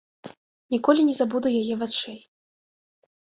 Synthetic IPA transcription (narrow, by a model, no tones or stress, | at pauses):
nʲikɔlʲinʲɛzabud̪ujajɛvat͡ʂɛj